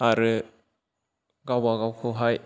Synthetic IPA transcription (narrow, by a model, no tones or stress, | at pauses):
aɾɯ | ɡawaɡawkʰɯwɦaj